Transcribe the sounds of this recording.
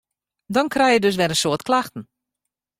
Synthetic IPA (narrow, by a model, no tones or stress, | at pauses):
dɔnkrɛjjədøs̬ʋɛɾənsoətklaxtən̩